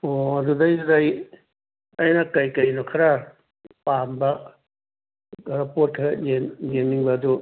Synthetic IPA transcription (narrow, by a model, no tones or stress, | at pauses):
oɐdudɐjdɐj | ɐjnɐkɐjkɐjnokʰɐɾɐ | pambɐ | ɡɐɾɐpot̚kʰɐɾɐjenɡenːiŋbɐːdu